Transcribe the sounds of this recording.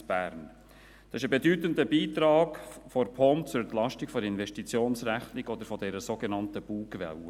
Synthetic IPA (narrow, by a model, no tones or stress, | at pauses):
b̥æ̰ɾn | d̪̥ɑsɪʃəbedyt̪ənd̪əbiːt̪ɾɑːɡfɔɾpʰɔmt͡sʊɾɛnt̪lɑʃtɪkfɔɾɪnvɛʃtit͡sjoːnsræχnɪɡ̥ɔd̪əɾfɔdɛɾəzoɡenɑntəb̥uːkvɛ̰l